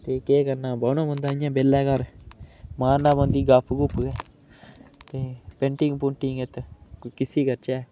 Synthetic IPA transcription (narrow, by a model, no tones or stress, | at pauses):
t̪eːkeːkəɾnaːbaːnõːbə̃nd̪aːɪ̃jãːbeːlːɛːkəɾ | mãːnãːbə̃nd̪iːɡapʰːkʊpːɡɛː | t̪eːpẽːɳʈɪ̃ŋɡpʊɳʈĩŋet̪kɪsiːkəɾt͡ʃɛː